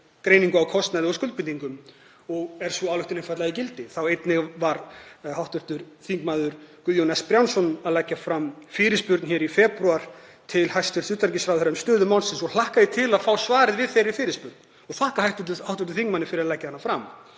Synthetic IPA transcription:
kɾeːjniŋkʏawkʰɔst̪naðɪɔskʏlt̪pɪnt̪iŋkʏm | ɔɣɛɾ̥sɔaːlʏht̪ɪnɪnfajt̪laɣicɪlt̪ɪθawejt̪nɪɣvaɾhawht̪vʏɾ̥t̪ʏɾθiŋkmaːðʏɾkʏðjownɛspɾjawnsɔnaðlɛcːafɾamːfɪːɾɪspʏɾt̪n̥çjɛɾifɛːpɾuaɾ̥t̪ʰɪlhajst̪ʏɾ̥θʏːt̪aɾcisɾawɛɾaʏmst̪ʏːðʏmawnsɪnsɔɣl̥ahkaðɪt̪ʰɪlaðfaːwsvaːɾɪðvɪðθejɾɪfɪːɾɪspʏɾt̪̚n | ɔɣθahkahajht̪ʏt̪hawht̪vʏɾt̪ɾθiŋkmanːɪfɪɾɪɾaðlɛcːahanːafɾam

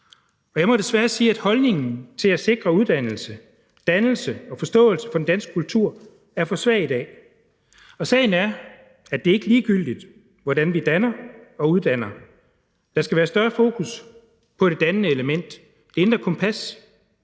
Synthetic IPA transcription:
ɒ̽jɑɪmɒ̽d̥e̝sʋæɐsiːæd̥hɒ̽lne̝ŋn̩t͡sʰe̝læse̝ɡ̥ʁɐuð̞ˠd̥æn̰l̩sə | d̥ænl̩səɒ̽fɒ̽sd̥ɔ̰̽ːl̩sə̥fɒd̥end̥ænsɡ̥̚kʰult͡sʰuɐ̰ | æɐfɒ̽sʋæɐid̥ɛ̰ː | ɒ̽sɛ̰ːɪn̩æɐ | æd̥e̝ɐe̝ɡ̥əliːɡ̥yl̰d̥id̥ | ʋɒdænʋid̥ænɐɒ̽uðˠd̥æn̰ɐ | d̥ɑ̈sɡ̥æʋæːɐsd̥ɶɐfo̝ːkus | pʰɒ̽e̥ænnəeləmen̰d̥ | ee̝nd̥ʁɐkʰompʰæs

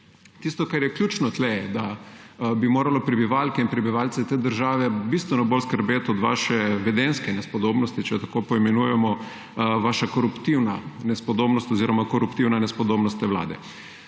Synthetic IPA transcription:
t̪ist̪ɔkaɾjɛkljuːt͡ʃnɔt̪lɛjɛd̪a | bimoːɾalɔpɾɛbiʋaːlkɛinpɾɛbiʋalt̪sɛt̪eːd̪əɾʒaːʋɛbist̪ʋɛnɔbolskəɾbeːt̪ɔd̪ʋa̰ːʃɛʋɛd̪enskɛnɛspɔd̪oːbnɔst̪it͡ʃɛt̪akopɔimɛnuːjɛmɔ | ʋaːʃakɔɾupt̪iwnanɛspɔd̪oːbnɔst̪ɔziːɾɔmakɔɾupt̪iwnanɛspɔd̪oːbnɔst̪ɛwla̰ːd̪ɛ̰

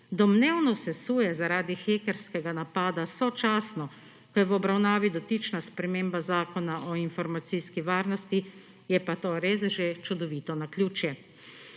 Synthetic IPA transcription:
d̪ɔmnɛwnɔsɛsuːjɛzaɾaːd̪ixeːkɛɾskɛɡanapaːd̪asɔt͡ʃaːsnɔ | kɔjɛʋɔbɾawnaːʋid̪ɔt̪iːt͡ʃnaspɾɛmeːmbazaːkɔnaʔɔinfɔɾmat̪siːskiʋaːɾnɔst̪i | jɛpat̪oɾesʒet͡ʃud̪ɔʋiːt̪ɔnaklʲjuːt͡ʃjɛ

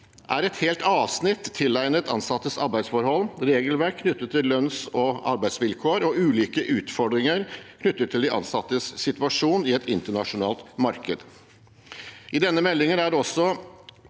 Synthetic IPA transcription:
ʔæɾɛt̪heːlt̪ɑːʋsnɪt̪ʰːɪlːæɪnət̪ɑ̰nsɑt̪ːəsɑ̰ɾbæɪsfɔɾhɔlɾeːɡəlʋæɾkʰːnʏt̪ːət̪ʰːɪlːœnsɔɑ̰ɾbæɪd̪sʋɪlkʰoːɾɔʉːliːkəʔʉːt̪fɔɖɾɪŋəɾkʰnʏt̪ːət̪ʰːɪld̪ɪʔɑ̰nsɑt̪ːəsːɪt̪ʉɑʂuːnɪɛt̪ʰɪnt̪əɳɑʂʊnɑːlt̪mɑɾkəd̪ | ʔɪd̪ɛnːəmɛlːɪŋəɾæɾɔsːɔ

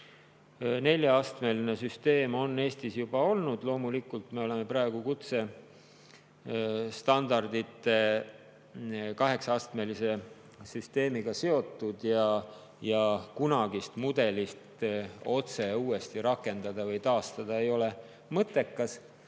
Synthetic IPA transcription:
ne̞lʲjɑɑst̪me̞line̞syst̪e̞ːmo̞nːe̞ːst̪isjub̥ɑo̞lnud̪̥lo̞ːmulikːˑult̪ˑme̞o̞le̞me̞pɾɑeɡukut̪se̞ | st̪ɑnd̪ɑrd̪it̪ːˑe | kɑɦe̞ksɑɑst̪me̞lise̞ | syst̪e̞ːmiɡ̥ɑse̞o̞t̪ːˑud̪̥jɑ | jɑkunɑɡist̪mud̪̥e̞list̪o̞t̪se̞uːe̞st̪iɾɑkːˑe̞nd̪̥ɑd̪ɑvɤjt̪ɑːst̪ɑd̪̥ɑe̞jo̞le̞ | mɤt̪ːˑe̞kːɑs

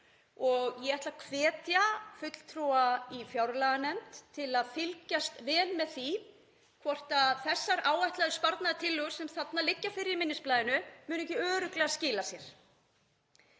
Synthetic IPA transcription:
ɔɣjɛɛht̪lakʰvɛːt̪jafʏt̪l̥t̪ʰɾuaifjawɾlaɣanɛnt̪ʰːɪlaðfɪlcast̪vɛːnmɛðθi | kʰvɔr̥t̪aðθɛsːaɾaːwajht̪laðʏspaɾt̪naðɪt̪ʰɪlːʏɣ̥sɛmθat̪nalɪcːafɪːɾɪɾimɪnːɪsplajɪnʏmʏːnʏɛjcɪœːɾʏklɛɣascɪːlasjɛɾ̥

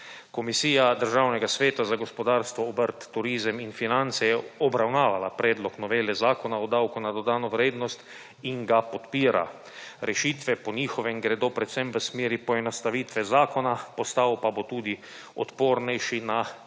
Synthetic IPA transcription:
komisiːjad̪əɾʒawnɛɡasʋeːt̪azaɡospɔd̪aːɾst̪ʋɔːbəɾt̪ːuɾiːzəminfinant̪sɛjɛɔbɾawnaːʋalapɾɛːd̪lɔknɔʋeːlɛzaːkɔnaɔd̪awkunad̪ɔd̪aːnɔʋɾeːd̪nɔst̪ | iŋɡapɔt̪piːɾa̰ | ɾɛʃiːt̪ʋɛpɔɲiːxɔʋɛŋɡɾɛd̪opɾɛt̪sɛmʋəsmeːɾipɔɛnost̪aʋit̪ʋɛzaːkɔnapɔst̪awpabot̪uːd̪i | ɔ̰t̪poːɾnɛjʃina

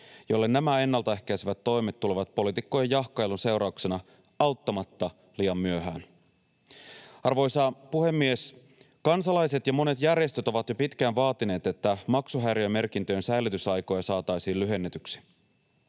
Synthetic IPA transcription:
jolːenːæmæe̞nːɑlt̪ɑehkæjsiʋæt̪ːo̞jmet̪ːuleʋɑt̪̚po̞lit̪ikːojejɑxkɑjlunse̞wɾɑukse̞nɑ | ɑwt̪ːɑmɑt̪ːɑ | liːjɑmːyøɦæ̰ːn | ɑrʋo̞jsɑːpuhe̞mːies | kɑnsɑlɑjse̞t̪jɑmo̞ne̞t̪jærjest̪øt̪o̞ʋɑt̪jo̞pit̪kæːnʋɑːt̪ine̞ːt̪e̞t̪ːæmɑksuɦæjɾiøme̞rkint̪øːnsæjlyt̪ysɑjko̞jɑsɑːt̪ɑjsiːlyɦe̞nːet̪yksi̥

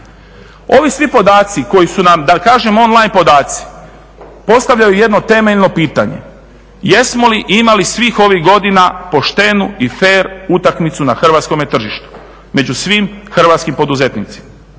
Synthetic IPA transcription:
o̞ʋisʋipo̞d̪aːt̪siko̞jisunamd̪akaːʒe̞mo̞nlˠajnpo̞d̪aːt̪si̥ | po̞st̪aʋʎajuje̞d̪no̞t̪e̞me̞ʎno̞piːt̪a̰ɲe̞̰ | jesmo̞liʔimalisʋiːxo̞ʋiɣɡo̞d̪inapo̞ʃt̪e̞nuife̞ːɾut̪akmit̪sunaxr̩ʋaːt̪sko̞met̪r̩ʒiʃt̪u̥ | me̞d͡ʑusʋimxr̩ʋaːt̪skimpo̞d̪uzet̪nit̪si̥ma

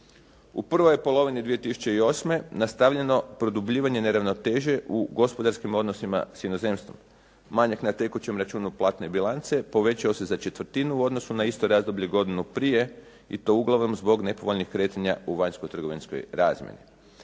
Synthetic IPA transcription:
ṵpr̩ʋojpo̞lˠo̞ʋinid̪ʋijet̪isu̥t͡ʃe̞io̞sme̞nast̪aʋʎe̞no̞pɾo̞d̪ubʎiːʋaɲe̞ne̞ɾaʋno̞t̪e̞ːʒe̞ʔuɡo̞spo̞d̪aɾskimo̞d̪no̞sima̰sjino̞ze̞ːmst̪ʋo̞̰m | maɲaknat̪e̞kut͡ɕe̞mɾat͡ʃuːnuplˠaːt̪ne̞bilˠant̪se̞po̞ʋe̞t͡ɕaose̞zat͡ʃe̞t̪ʋr̩t̪inuːo̞d̪no̞sunaist̪oɾazd̪obʎeɡo̞d̪inupɾije̞ | ḭt̪o̞uɡlˠaʋno̞mzbo̞ɡne̞po̞ʋo̞ʎnixkɾe̞ːt̪aɲauʋaɲskojt̪r̩ɡo̞ʋinsko̞̰jɾaːzmjḛnḭ

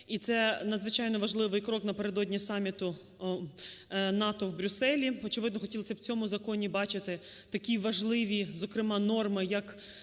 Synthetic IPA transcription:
it̪sɛnɐd̪zʋɪt͡ʃɑjnɔʋɐʒlˠɪʋɪjkɾɔknɐpe̞ɾed̪ɔdʲnʲisɑmʲːit̪ʊ | nɑt̪ɔwbɾʲʊsɛlʲiɔt͡ʃɪʋɪd̪nɔxɔtʲilˠɐsʲɐw̥t͡sʲɔmʊzɐkɔnʲibɑt͡ʃɪt̪ɪ | t̪ɐkʲiʋɐʒlˠɪʋʲizɔkɾɪmɑnɔrmɪjɐk

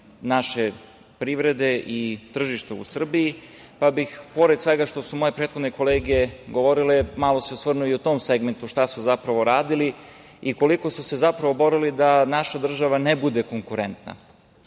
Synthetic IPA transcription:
naʃe | pɾiʋɾe̞d̪e̞ʔit̪r̩ʒiʃt̪eṵsr̩bii | pabixpo̞ɾed̪sʋe̞ɡaʃt̪o̞sumo̞je̞pɾet̪xod̪neko̞leːɡeɡo̞ʋo̞ɾilemalˠo̞sesʋrnujjot̪o̞ːmseɡme̞nt̪uʃt̪asuzapɾaʋo̞ɾaːd̪ili | iko̞liko̞suse̞zapɾaʋo̞bo̞ɾelid̪anaʃad̪r̩ʒaʋanebud̪eko̞ŋkuɾent̪na̰

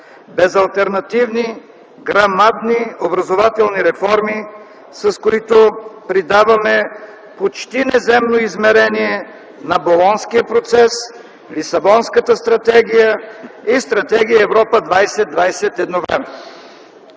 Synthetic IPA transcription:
bɛzɐlˠt̪ɛɾnɐt̪ivni | ɡɾɐmad̪niobɾɐzovat̪ɛlˠniɾɛfɔɾmi | sɐskoit̪opɾid̪avɐmɛ | pot͡ʃt̪inɛzɛmnoizmɛɾɛniɛ | nɐbolˠɔnskijəpɾot̪sɛs | lisɐbɔnskət̪əst̪ɾɐt̪ɛɡ̟ijəist̪ɾɐt̪ɛɡ̟ijəɛvɾɔpəd̪vajsɛd̪vajsɛt̪ɛd̪novɾɛ̰mɛ

